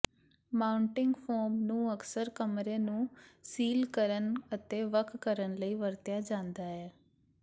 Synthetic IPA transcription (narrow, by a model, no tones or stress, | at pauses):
maːʊɳʈɪŋɡpʰoːɾmnũːəksəɾkəmɾeːnũːsiːlkəɾənət̪eːʋəkʰːəɾənləiːʋəɾt̪jaːd͡ʒãːnd̪aːɦɛː